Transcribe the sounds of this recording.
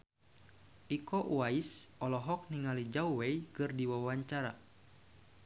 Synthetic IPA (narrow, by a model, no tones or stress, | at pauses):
ʔikɔʔwaisʔɔlɔɦɔk̚niŋalid͡ʒawwejkɨrdiwawaɲt͡ʃaɾa̰